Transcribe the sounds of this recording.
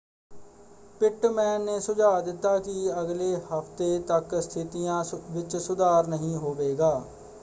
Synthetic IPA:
pɪʈmɛ̃ːnːeːsʊd͡ʒaːd̪ɪt̪ːaːkɪəɡleːhəpʰt̪eːt̪əkst̪ʰɪt̪ijãːʋɪt͡ʃsʊd̪aːɾnəɦĩːɦoːʋeːɡaː

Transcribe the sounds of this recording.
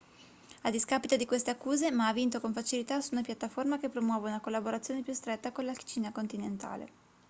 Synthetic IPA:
ad̪iskapit̪od̪ikwest̪eakːuːzemaavːint̪okoɱfat͡ʃilit̪asuunapjat̪ːaformakepːɾomwɔːveunakolːaboɾat̪sjoːnepjust̪ɾet̪ːakonlaki̥t͡ʃiːnakont̪inent̪a̰ːlḛ

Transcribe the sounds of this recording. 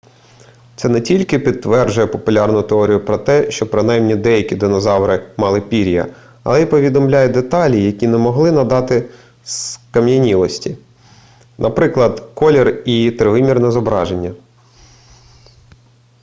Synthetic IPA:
t̪sɛnɛtʲilʲkɪpʲid̪̚t̪ːʋɛrd͡ʒʊjɛpɔpʊlʲɑrnʊt̪eɔɾʲijʊpɾɔt̪ɛʃt͡ʃɔpɾɪnɑjmnʲid̪ɛjɐkʲid̪ɪnɔzɑwɾɪmɑlˠɪpʲiɾʲijɐ̰ | ɐ̰lˠɛipɔʋʲid̪ɔmlʲajɛd̪et̪ɑlʲijɐkʲinɛmɔɦlˠɪnɐd̪ɑt̪ɪ | skɐmjɐnʲilˠɔsʲtʲi | nɐpɾɪklˠɐd̪kɔlʲɛrit̪ɾɪʋɪmʲirnɛzɔbɾɑʒenʲːɐ

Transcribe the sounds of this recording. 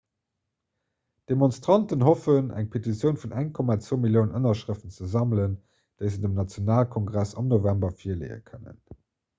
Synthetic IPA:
d̥emonstʁɑntənhofənæ̰ŋpʰetit͡sjəʊnfunæŋkʰɔmaːt͡svoːmiljəʊnənɐʃʁəftənt͡səzɑmlən | d̥əɪzədəmnɑt͡sjonaːlkʰɔŋɡʁæsɑ̰mnovæmbɐfiɐlḛɪə̰kʰənə̰n

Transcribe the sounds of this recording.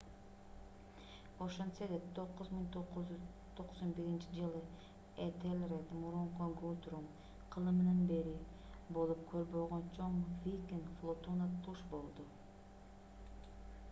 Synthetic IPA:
oʃensed̪et̪ʰoqːʊzmiŋt̪oqːʊzyz | t̪ʰoqsonbeɾint͡ʃʰɪd͡ʒɨlˠɨ | et̪ʰelʲɾet̪muɾuɴqoŋɡuut̪ʰuɾum | qʰɨlˠɨmnanbe̞ɾɪ | bolˠup̚kʲʰøɾboʁont͡ʃʰoŋvijkʲiŋɡflˠot̪unat̪ʰuʃbolˠd̪ʊ

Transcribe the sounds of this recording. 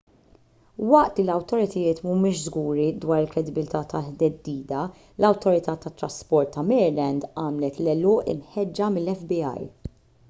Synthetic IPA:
wɐʔt̪lilɐwt̪ɔɾɪt̪ʰɐjɪːt̪mumɪːʃzɡuːɾid̪wɐːɾɪlkɾɛd̪ɪbɪlt̪ɐːt̪ɐlħd̪ɛd̪ːiːd̪ɐ | lɐwt̪ɔɾɪt̪ɐːt̪ɐt̪ːɾɐspɔɾt̪ːɐmɛːɾlɛnd̪ɐːmlɛt̪lɛlɔːʔɪ̰nħɛd͡ʒːɐmɪlːɛfbiɐ̰j

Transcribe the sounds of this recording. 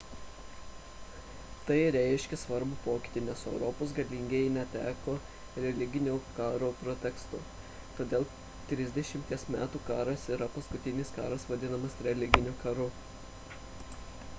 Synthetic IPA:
t̪ɐɪɾʲæɪʃʲkʲɛsʋɐɾbupoːkʲɪ̥t̪ʲiːnʲɛsɛʊɾɔpoːs̬ɡɐlʲiŋʲɡʲenʲɛt̪ʲæːkoː | ɾʲɛlʲɪɡʲɪnʲuːkɑːɾopɾɔt̪ʲɛkst̪ʊ | t̪oːd̪ʲeːlˠ | t̪ʲɾʲɪzʲd̪ʲɛʃʲɪmʲt̪ʲiɛsmʲæːt̪uːkɑːɾɐsiːɾɐpɐskʊt̪ʲɪnʲɪskɑ̰ːɾɐsʋɐd̪ʲɪnɐmɐsɾʲɛlʲɪɡʲɪnʲʊːkɐɾʊ

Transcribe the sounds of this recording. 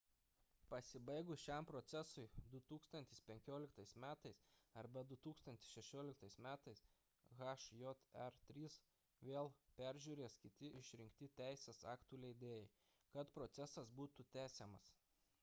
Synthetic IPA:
pɐsʲɪbɐɪɡʊsʃʲɛˑmpɾɔt̪sʲɛsʊɪd̪ʊt̪uːkst̪ɐnʲt̪ʲɪspʲɛŋʲkʲoːlʲɪkt̪ɐɪsmʲæːt̪ɐɪsɐɾbɐd̪ʊt̪uːkst̪ɐnt̪ʲɪ̥sʃʲɛʃʲoːlʲɪk̚t̪ɐɪsmʲæːt̪ɐɪs | ɣɐʃjɔt̪ɛɾt̪ʲɾʲiːs | ʋʲeːlˠpʲæɾʲʒʲuːɾʲeːskʲɪt̪ʲɪʔɪʃʲɾʲɪŋʲkt̪ʲɪt̪ʲæˑɪsʲeːsɑːkt̪uːlʲɛɪd̪ʲeːjɛɪ | kɐt̪pɾɔt̪sʲɛsɐsbuːt̪ʊt̪ʲæːsʲeːmɐs

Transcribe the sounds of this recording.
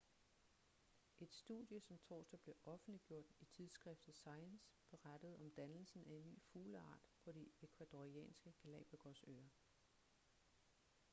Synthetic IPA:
ʔe̝d̥sd̥ṵðˠjəsɒ̽mt͡sʰɒ̰ːsd̥ɐb̥le̝ʔɒ̽fn̩liɡ̥jo̝̰ɐ̰d̥it͡sʰið̞ˠsɡ̥ʁɛfd̥ð̩ˠsɑ̈ɪənsb̥e̝ʁad̥əð̞̩ˠɒ̽md̥ænl̩sn̩æe̝nːy̰ːfuːləɑ̰̈ːd̥pʰɒ̽ɾiekʰʋæd̥oʁiɛ̰ːnsɡ̥əɡ̥ʰælɛ̰ːb̥ʁiɡ̥ɒsø̰ːɐ

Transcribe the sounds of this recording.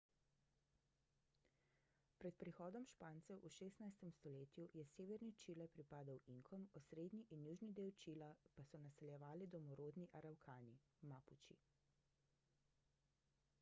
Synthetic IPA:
pɾɛt̪̚pɾixɔːd̪ɔmʃpaːnsɛwʔuʃeːst̪najst̪ɛmst̪ɔleːt̪jujɛseːʋɛɾnit͡ʃiːlɛpɾipaːd̪awiŋkʰɔmɔsɾeːd̪niʔinjuːʒnid̪eːwt͡ʃilapasɔnasɛljɛʋaːlid̪ɔmɔɾoːd̪niʔaɾawkʰaːni | maːput͡ʃḭ

